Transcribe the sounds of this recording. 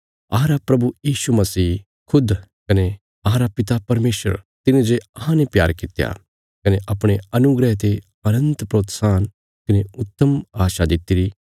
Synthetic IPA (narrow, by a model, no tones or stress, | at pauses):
aːɾapɾɐbujiːʃumɐsiː | kʰʊd̪kɐne | ɐːɾapɪt̪apɐɾmeːsə̰ɾt̪ɪnẽd͡ʒeɐɦãnepja̰ːɾkɪt̪ja̰ | kɐneʔɐpɽ̃eɐnʊɡɾɛɦt̪e | ɐnə̃nt̪pɾoːt̪saːn | kɐneʊt̪ːəmaːʃad̪ɪt̪ːiɾi